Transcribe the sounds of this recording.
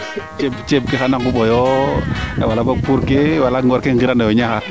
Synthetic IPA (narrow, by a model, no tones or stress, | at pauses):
t͡ʃebt͡ʃeb̚kexanaŋkuɓɔjɔ | ɛwalabakuɾkewalaŋɡɔɾkeŋɡiɾandajɔɲaxa